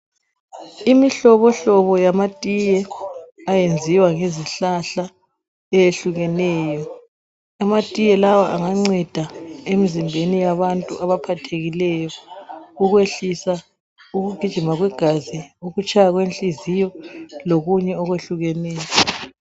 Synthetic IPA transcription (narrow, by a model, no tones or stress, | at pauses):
imiɬɔβɔɬɔβɔjamatʼijɛajend͡zʱiwaŋeziɬaɬa | ɛjeɬuɣɛnɛːjɔ | amatʼijɛlawaʔaŋaŋ͡ǀɛd̥ʱaemizimbʱenijaβantʼṵʔaβapʰatʰeɣilɛjɔuɣweɬisa | uɣuɡ̥ʱid̥ʒ̥ʱimaɣwɛɡ̥ʱaziuɣut͡ʃʰʼajaɣwent͡ɬʼizijɔloɣuɲɛɔɣweɬuɣɛnɛːjɔ